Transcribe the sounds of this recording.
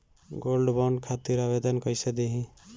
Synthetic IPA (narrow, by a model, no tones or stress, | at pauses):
ɡolɖbaɳɖkʰat̪iɾabed̪ənkəjsed̪eɦĩ